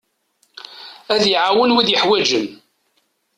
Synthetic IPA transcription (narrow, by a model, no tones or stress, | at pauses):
æðjʕawənwiðjəħwæd͡ʒən